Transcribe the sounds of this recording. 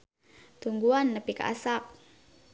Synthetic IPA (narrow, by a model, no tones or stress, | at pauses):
t̪uŋɡuanːəpika̰ʔa̰sak̚